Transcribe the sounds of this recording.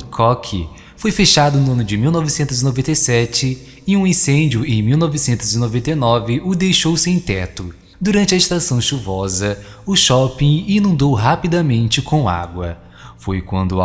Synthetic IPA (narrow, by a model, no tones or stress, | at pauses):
kʰɔkʰɪ̰ | fojfeʃad̪ʊnʊɐ̃nʊd͡ʒɪmiwnɔvɪsẽnt̪ʊzinovẽnt̪ejsɛt͡ʃɪ | ɪũĩsẽnd͡ʒiʊẽj̃miwnɔvɪsẽnt̪ʊzinovẽnt̪ejnɔvɪʔʊd̪ejʃowsẽj̃t̪ɛt̪ʊ | d̪uɾɐ̃nt͡ʃɪɐɪʃt̪asɐ̃w̃ʃuvɔzɐ | ʊʃɔpĩinũnd̪owɦapid̪ɐmẽnt͡ʃɪkʰõw̃a̰ɡwɐ̰ | fojkwɐ̰̃nd̪ʊ